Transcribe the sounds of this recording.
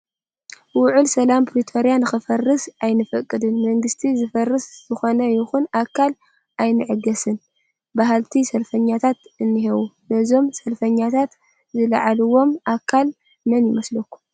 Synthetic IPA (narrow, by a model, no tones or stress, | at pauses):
wʊʕʊlsɐlampʰɾit̪ʰoɾijanɨxɨfɐrːɨsʔajnɨfɐkʼːɨd̪ɨnmɐŋɡɨst̪ʰizɨfɐrːɨszɨxo̞nɐjɪxunakʰːal | ajnɨʕɨɡɐsɨn | baɦalt̪ʰisɐlfɐɲːat̪ʰat̪ɨnːɨɦewunɐzo̞msɐlfɐɲːat̪ʰat̪ | zɨlaʕalɨwo̞mʔakʰːal | mɐnjɪmɐslɐkːu̥